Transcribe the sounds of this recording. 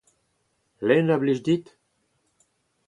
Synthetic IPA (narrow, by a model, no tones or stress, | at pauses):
lɛnabliʒd̪it̪